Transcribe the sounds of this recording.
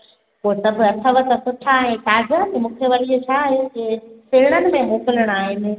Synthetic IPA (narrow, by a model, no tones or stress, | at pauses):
poːt̪ɐbɪɐt̪ʰəʋət̪ɐsʊʈʰaːɦẽtaːd͡ʑət̪ɐmũːkʰeʋɐɾit͡ɕʰaːɦjokɪsɪɾɪɽ̃ənɪ̆mẽɦõːkɪləɽ̃aːɦɪnɪ